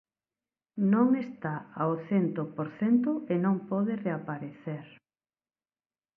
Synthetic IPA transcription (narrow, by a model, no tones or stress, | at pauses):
nõŋest̪aaoθent̪opoɾθent̪ʊenõŋpɔðereapaɾeθeɾ